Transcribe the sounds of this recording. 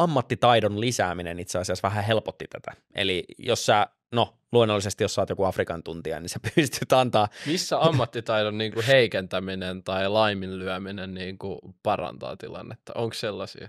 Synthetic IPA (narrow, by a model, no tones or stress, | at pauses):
ɑmːɑt̪ːit̪ɑidonlisæːminenit̪seɑsiɑsʋæɦæɦelpot̪ːit̪æt̪æ̰ | ḛlijossæː | no | luonːolːisest̪ijosɑːt̪jokuɑfrikɑnt̪unt̪iɑ̰ninsepyst̪yt̪ɑnt̪ɑːmisːæɑmːɑt̪ːit̪ɑidonniːŋkuheikent̪æminent̪ɑilɑimillyæminenniːŋkupɑrɑ̰nt̪ɑ̰ːt̪ḭlɑ̰nːet̪ːɑ̰oŋksselːɑsḭɑ